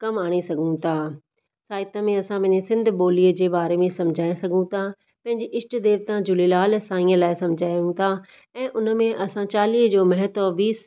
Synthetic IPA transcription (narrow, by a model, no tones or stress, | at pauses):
kɐmaːɽ̃esɐɡʱũt̪ʰaː | saːɪt̪ãmẽɐsãbɐɲesɪ̃nd̪ʱboːliəd͡ʑeːbaːɾemẽsɐ̃md͡ʑʱaːẽsɐɡʱũt̪ʰa | pɐ̃ɦɪ̃ɲd͡ʑeʔɪsʈd̪eːʋt̪ãd͡ʑʊlilaːlsãːĩə̃laːɪsɐmd͡ʑʱaːjũt̪ʰa | ɛ̃ːʔʊnəmẽʔɐsãt͡ɕaːliːɦd͡ʑoːmɐɦət̪oʋiːs